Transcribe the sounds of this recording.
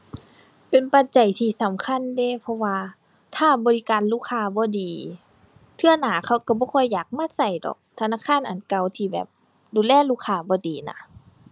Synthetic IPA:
pe˨npa˧˦t̪̚t͡ɕa˨˩jt̪ʰiː˧˩sa˨˦mkʰa˧˥˨nde˧˩˨pʰɔ˧waː˧ | t̪ʰaː˧˩bɔː˨˧li˧kaː˨nluː˧˩kʰaː˧bɔː˧˦diː˨˦ | t̪ʰɯ˧ɐ˨naː˨˩˦kʰa˧˩wka˧˩bɔː˧˦kʰɔː˧˥˨jːaː˨˩k̚maː˧˥˨sa˧˩jdɔ̰ː˨˩k̚t̪ʰa˧naː˧˥˨kʰaː˧˥˨nʔa˨˩nka˧˩wt̪ʰiː˧˩bɛ̰ː˨˩p̚ | duː˨˦lɛː˧˩˨luː˧˥˨kʰaː˧˩bɔː˨˧˦diː˨˦na̰˧˩

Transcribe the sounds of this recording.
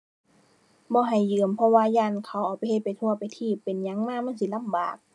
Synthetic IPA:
bɔː˧˦ɦa˨˩jːɯː˨˩mpʰɔ˧waː˧˨jaː˧˨nkʰa˨˧˦wʔaː˨˩wpa˨jhe˧t̪̚pa˨jt̪ʰu˧ɐpa˨˩jt̪ʰiː˧˩pːe˨nɲa˧˥˦ŋmaː˧˥˨ma˧˥˨nsi˧˦la˧˥˨mba̰ː˨˩k̚

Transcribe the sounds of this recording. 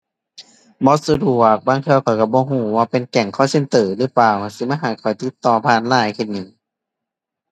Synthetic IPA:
bɔ˧˦su˧du˧˩ək̚baː˧˨ŋt̪ʰɯ˧wkʰa˧˩ka˧˩bɔː˧˦ɦuː˧˩waː˧pe˨nkɛ˨˩ŋkʰɔː˧˥˩se˧˨nt̪ɤː˨˩lɯː˧˦paː˧˩wa˧˩si˧ma˧˥˨nɦaː˨˩kʰɔ˨˩jt̪i˧˦t̪ːɔː˧˩pʰaː˧˨nlaː˧˩˨jkʰe˧˩nɲɯ˨˩ŋ

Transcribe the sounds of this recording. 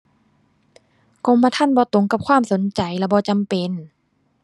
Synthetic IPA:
ko˧mːaː˧t̪ʰa˧˥˨nbɔː˧˦t̪o˨˦ŋka˧˦p̚kʰwaː˧˥˨mso˨˦nt͡ɕa˨˩jlɛː˧˩bɔː˧˦t͡ɕa˧˨mpe˨n

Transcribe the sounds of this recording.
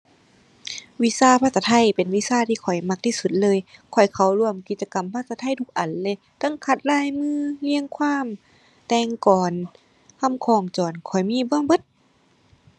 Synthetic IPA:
wi˧˥saː˧˨pʰaː˧t̪sa˧t̪ʰa˧˥˨jpe˨˩nwi˧˨saː˧˩t̪ʰiː˧kʰɔ˨˩jma˧k̚t̪ʰiː˧˩su˧t̪̚lɤː˧˨jkʰɔ˨˩jkʰa˧˩wlu˧əmki˨˧t̪̚t͡ɕa˧ka˨˩mpʰa˧˥˩t̪sa˧t̪ʰa˧˥˨jt̪ʰu˧k̚ʔa˨˩n̚lɤː˧˨jt̪a˧˥˨ŋkʰa˧˩t̪̚laː˧˥˨jmɯː˧˥˨li˧əŋkʰwaː˧˥˨m | t̪ɛː˧ŋkɔː˨˩n | kʰa˧˥˨mkʰɔː˧˩ŋt͡ɕɔː˨˩nkʰɔ˨˩jmiː˧˥˨bɯ˧ə˨ŋbɤ˧˦t̪̚

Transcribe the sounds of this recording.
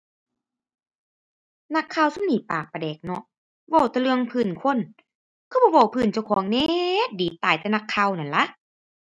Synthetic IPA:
na˧kʰːaː˧˨wsa˧˨mniː˨˩paː˨˩k̚pa˧˨dɛː˨˩k̚nɔ˧ʔ | wɔ˧˩wt̪ɛː˧lɯ˧əŋpʰɯː˧˩nkʰo˧˥˨n | kʰa˧˩bɔː˧˦wa˧˩wpʰɯː˧˩˨nt͡ɕa˧˩wkʰɔː˨˦ŋneː˧˥˦diː˨˦t̪aː˨˩jt̪ɛː˧na˧kʰːa˧˨wna˨˩˨nla˧˦ʔ

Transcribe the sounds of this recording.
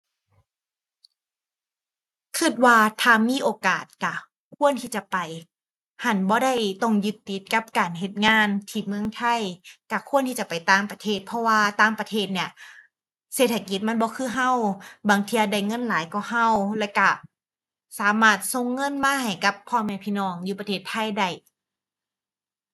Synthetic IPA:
kʰɯ˧˩t̪̚waː˧t̪ʰaː˧˩miː˧˥˨ʔoː˨kaː˨˩t̪̚ka˧˩ | kʰu˧˥˨ənt̪ʰiː˧˩t͡ɕa˨˧˨pa˨˩j | ha˧˩nbɔː˧˦ɾa˧˥˩jt̪ɔ˧˩ŋjɯ˧˦t̪ːi˧˦t̪̚ka˧˥p̚kaː˨˩nɦe˧˦t̪̚ŋaː˧˥˨nt̪ʰiː˧˩mɯ˧˨əŋt̪ʰa˧˥˩jka˧˩kʰu˧˥ə˨nt̪ʰiː˧t͡ɕa˨˩pa˨˩jt̪aː˧˩mpa˧t̪ʰeː˧˩t̪̚pʰɔ˧waː˧t̪aː˧˥mpa˧t̪ʰeː˧˩t̪̚ni˧˩ɐ | seː˧˩t̪ʰːa˧ki˧˦t̪̚ma˧˥˨nbɔː˧˦kʰɯː˧˥˩ɦa˧˥˩wbaː˨˩ŋt̪ʰiː˧ʔa˧˩da˧˩jŋɤ˧˥˨nlaː˨˦jkɔ˧˩ha˧˩˨wlɛː˧˩wka˧˩ | saː˨˦maː˧˩t̪̚so˧˨ŋːɤ˧˥˨nmaː˧˥˨ha˨˩jka˧˦pʰːɔː˧˨mɛː˧pʰiː˧˥˨nɔː˧˩ŋjuː˧pa˧eː˧˩t̪ʰːa˧˥˩jda˧˥˩j

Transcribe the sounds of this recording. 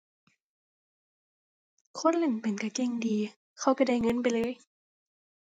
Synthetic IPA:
kʰo˧˥˨nle˧˩npe˨˦nka˧˩ke˧˩˨ŋdiː˨ | kʰa˧˥˨wka˧˩da˧˩˨jŋɤ˧˥˨np̬a˨jlɤː˧˥˨j

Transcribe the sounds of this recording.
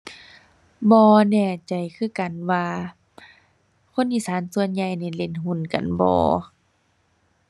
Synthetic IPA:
bɔː˧nɛː˧˩t͡ɕa˨˩jkʰɯː˧˩˨ka˨nwaː˧ | kʰo˧˥˨nʔiː˧˩˨saː˨˦nsu˧ənɲa˧jni˧˩le˧˩˨nɦu˧˥˨nka̰˨nbɔ̰ː˧˦

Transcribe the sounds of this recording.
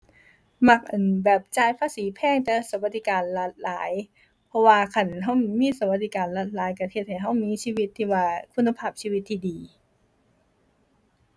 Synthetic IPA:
ma˧˥k̚ʔɯː˨˩nbɛː˨˩p̚t͡ɕaː˧˩jpʰaː˧˥siː˨˦pʰɛː˧˩ŋt̪ɛː˧˩sa˧˦ba˧t̪̚ːi˧kaː˨nla˧˦t̪̚laː˨˩˦j | pʰɔ˧˥waː˧kʰa˧˩nɦa˧˥˩wmiː˧˥˨sa˧˦wba˧t̪̚d̪iː˧kaː˨nla˧˩t̪̚laː˨˦jka˧˩t̪ʰe˧˥t̪̚ha˨˩jɦa˧˥˩wmiː˧˥˨siː˧˩wi˧˥t̪ʰːiː˧˩waː˧˩kʰu˧˥nːa˧pʰaː˧˩p̚siː˧˨wi˧˦t̪ʰːiː˧˩diː˨

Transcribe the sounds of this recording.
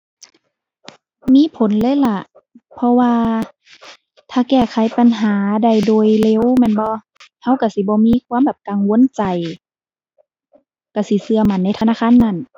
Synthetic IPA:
miː˧˥˨pʰo˨˦nlɤː˧˥˨jla˧˨ʔ | pʰɔ˧waː˧ | t̪ʰaː˧˩kɛː˧˩kʰa˨˦jpa˨nɦaː˨˦da˧˩jdoː˧˨˩jle˧˩˨wmɛː˧˥˨nbɔː˧˦ | ha˧˥˨wka˧˩si˧˦bɔː˧˦miː˧˥˨kʰwuː˧˥˨mbɛː˨˩p̚ka˨ŋwo˧˥˨nt͡ɕa˨˩j | ka˧˩si˧˦sɯ˧ɐma˧˩nːa˧˨jt̪ʰa˧naː˧˥˨kʰaː˧˥˨nːa˧˥˨n

